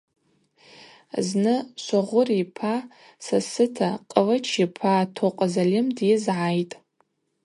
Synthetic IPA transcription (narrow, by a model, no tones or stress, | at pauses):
znɨʃʷaʁʷʊripʰa | sasɨtʰaqʼəlat͡ʃʰipʰatʰoqʼazalɪmdɪzʕajtʼ